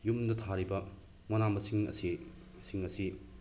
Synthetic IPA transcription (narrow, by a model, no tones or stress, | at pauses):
jumdɐt̪ʰaɾibɐ | mɔnamɐsiŋɐ̰si | siŋɐsi